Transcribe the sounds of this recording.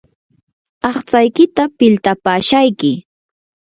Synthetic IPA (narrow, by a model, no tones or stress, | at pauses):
ɑχt͡sajkɪt̪apɪlt̪apaːʃajkɪ